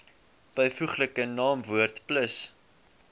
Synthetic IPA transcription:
b̥əjfuχləkənɑːmvuərtpləs

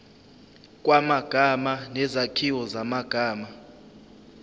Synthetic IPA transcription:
kʼwamaɡ̥ʱamanɛzakʰiwɔzamaɡ̥ʱaːma

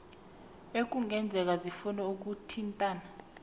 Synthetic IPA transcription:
ek̬ʼuŋʱɛnd͡zʱɛk̬azifunɛuk̬utʰintʼaːna

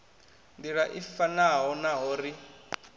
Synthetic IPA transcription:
ndiɺaʔifanaɦɔnaɦɔːri

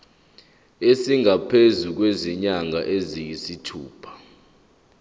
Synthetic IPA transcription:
esiŋʱapʰezuk̬weziɲaŋa̰ʔezijisitʰuːpʰḁ

